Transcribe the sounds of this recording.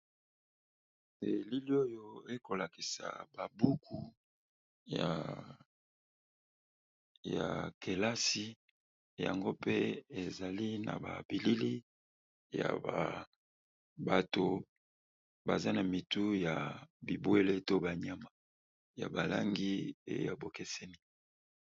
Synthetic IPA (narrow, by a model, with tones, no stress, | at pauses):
de˨li˦li˦o˦jo˦e˦ko˨la˨ki˨sa̰˨ba˨bu˦kʰu˨ | ja˨ | ja̰˨ke˨la˦si˦ | ja̰˨ŋɡo˦pe˦e˨za˨li˦na̰˨ba̰˨bi˨li˦li˦ | ja̰˨ba˨ | ba˨to˨ | ba˨za˦na˨mi˨tu˦ja˨bi˨bwe˦le˦to˦ba˨ɲa˦ma˨ | ja̰˨ba˨la̰˦ŋɡi˦ḛ˦˨ja˨bo˨ke˦sɛ˦ni˦